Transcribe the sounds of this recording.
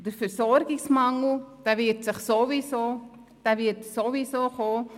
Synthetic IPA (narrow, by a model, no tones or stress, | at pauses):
d̥əfəɾsɔɾɡɪksmɑŋl̩d̥ɛvɪtsɪχsovisoː | d̥ɛvɪtsovisoːχoː